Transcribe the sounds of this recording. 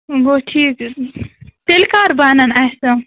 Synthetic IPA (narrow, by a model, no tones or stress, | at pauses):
ɡoʈʰiːk | t̪elkaːɾbaːnɐnajsɐ